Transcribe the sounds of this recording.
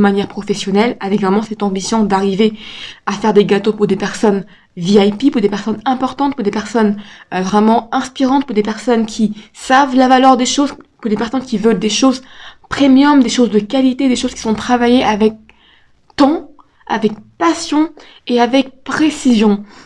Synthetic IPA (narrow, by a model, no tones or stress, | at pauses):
əmanjɛʁpχɔfɛsjɔnɛlavɛkvʁɛmɑ̃sɛt̪ɑ̃bisjɔ̃d̪aʁiveafɛʁd̪eɡat̪opuʁd̪epɛʁsɔn | viajpipuʁd̪epɛʁsɔnɛ̃pɔʁt̪ɑ̃t̪̚puʁd̪epɛʁsɔnvʁɛmɑ̃ɛ̃spiʁɑ̃t̪̚puʁd̪epɛʁsɔnkʲʰisavlavalœʁd̪eʃozpuʁd̪epɛʁsɔnkʲivœld̪eʃozpχemjɔmd̪eʃozd̪əkalit̪ed̪eʃoz̥kʲi̥sɔ̃t̪χavajeʔavɛk̚ | t̪ɑ̃ | a̰vɛk̚pasjɔ̃ | eavɛk̚pχesizjɔ̃